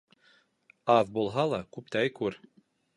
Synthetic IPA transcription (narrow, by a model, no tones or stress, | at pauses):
ɑðbulˠɦɑlˠɑkʉp̚t̪æjkʉɾ